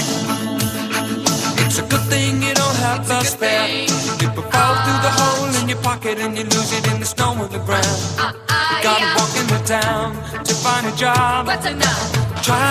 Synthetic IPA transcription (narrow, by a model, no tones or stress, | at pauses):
ɨtsɨɡʊd̪̚θɪ̃ŋjɨɾõʊ̃nt̚ɦəvðʌspɛɨɪpəfaθɹʉðəɦoʊlˠɨ̃njə˞pʰɑkɨɾɨ̃njɨluzɨɾɨ̃nðɨstõʊ̃mʌvðɨɡɹãʊ̃nd | jɨɡɑɾ̚wɔkɨ̃nðɨtʰãʊ̃n | tʰɨfãɪ̃ndɨd͡ʒɑb̥ | tʰɹ̥a